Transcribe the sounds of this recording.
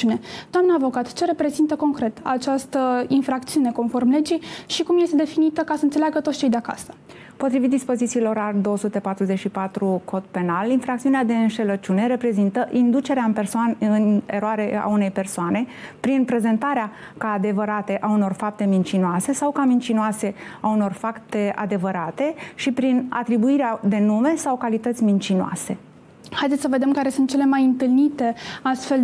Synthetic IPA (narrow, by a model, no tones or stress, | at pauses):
ned̪̥oamnəːvo̞kat̪t͡ʃe̞ɾe̞pɾe̞zint̪əko̞ŋkɾe̞t̪a̰t͡ʃast̪əinfɾakt̪siune̞ko̞nfo̞rmle̞d͡ʒijʃikumje̞st̪ed̪e̞finit̪əkasəɨnt̪selaɡət̪ot̪st͡ʃe̞jd̪eaka̰sə̥ | po̞t̪ɾivit̪̚d̪ispo̞zit̪siːlo̞ɾald̪o̞osut̪e̞pat̪ɾuzet͡ʃʃipat̪ɾukʰo̞t̪pe̞nalinfɾakt̪siunead̪e̞ɨnʃe̞lət͡ʃune̞ɾe̞pɾe̞zint̪əʔind̪ut͡ʃe̞ɾeaɨnpe̞rsoanɨne̞ɾoaɾe̞a̰une̞jpe̞rsoane̞pɾinpɾe̞ze̞nt̪aɾea | kaːd̪e̞vəɾat̪e̞ʔauno̞rfap̚t̪e̞mint͡ʃinoase̞sawkamint͡ʃinoase̞auno̞rfakt̪e̞a̰d̪e̞vəɾat̪e̞ʃipɾina̰t̪ɾibuiɾead̪e̞nume̞sawkalit̪ət̪sʲmint͡ʃinoa̰se̞ | hajd̪et̪səve̞d̪e̞mkaɾe̞sunt̪̚t͡ʃele̞majɨnt̪ɨlnit̪e̞ast̪fe̞l